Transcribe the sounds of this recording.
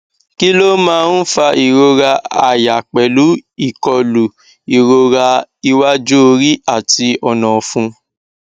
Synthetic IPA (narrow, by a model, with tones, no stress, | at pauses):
ki˦lo˦mãː˦n̩˦fa˧i˨ɾo˧ɾa˧a˨ja˨k͡pɛ˨lu˨˦i˦˨kɔ˧lu˨ | i˨ɾo˧ɾa˧i˧wa˦d͡ʒo˦o˧ɾi˦a˦˨ti˧ɔ˧nɔ̃˨fũ˧